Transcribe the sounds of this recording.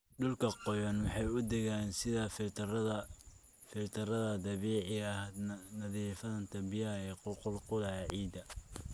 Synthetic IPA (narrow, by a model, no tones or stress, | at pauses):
ɖʊlkʰɐqɔjɐnwɑħɑjʊd̪ɛɣaːnsɪðɐfɪ | fɪlt̪ʰɐɾɐðɐd̪ɐβiːʕɪɐhnɐðiːfɐðɐnt̪ʰɐbɪjaɛːqʊqʊlqʊlɐʕiːd̪ɐ